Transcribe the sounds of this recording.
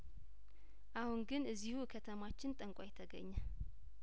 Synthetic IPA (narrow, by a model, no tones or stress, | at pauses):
ʔahunɡɨnɨzːihukʰət̪ʰəmat͡ʃːɪnt̪ʼəŋkʷʼajɛt̪ʰəɡə̰ɲːə